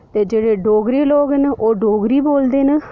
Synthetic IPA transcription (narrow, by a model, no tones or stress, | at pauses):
t̪eːd͡ʒeːɽeːɖoːɡɾeːloːɡɦɛnʔoːɖoːɡɾiːboːld̪eːnə